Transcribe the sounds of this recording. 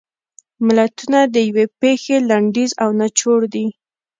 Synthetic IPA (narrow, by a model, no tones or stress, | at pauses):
mɪlat̪unad̪əjawepexelaɳɖizawnat͡ʃoɽd̪i